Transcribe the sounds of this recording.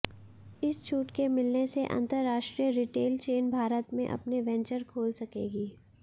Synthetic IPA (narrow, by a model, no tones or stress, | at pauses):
ɪst͡ʃʰuːʈkemɪlneseʔɐ̰̃nt̪əɾːaːʃʈɾijəɾiʈeːlt͡ʃeːnbʱaːɾət̪mḛ̃ʔɐ̰pneʋɛ̃ɲt͡ʃəɾkʰoːlsɐkeːɡiː